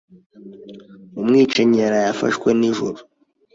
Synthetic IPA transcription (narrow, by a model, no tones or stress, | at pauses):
umŋiːt͡ʃeɲeɾajafa̰ʃwe̞niʒuɾu̥